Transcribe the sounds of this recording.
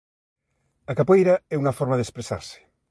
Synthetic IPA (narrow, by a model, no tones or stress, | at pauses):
akapwejɾaɛunɐfɔɾmaðespɾesa̰ɾse̥